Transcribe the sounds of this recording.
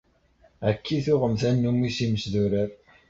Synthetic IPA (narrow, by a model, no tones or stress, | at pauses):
ækːiθʊʁəmθænːumːisiməsðuɾəɾ